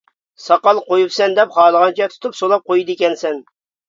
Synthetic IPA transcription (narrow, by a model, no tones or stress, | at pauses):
sɑqɑlˠqojupsɛnd̪ɛpχɑːlˠəʁɑnt͡ʃʰɛt̪ʰu̥t̪ʰupsolˠɑp̚qojid̪ɪkʲɛnsɛn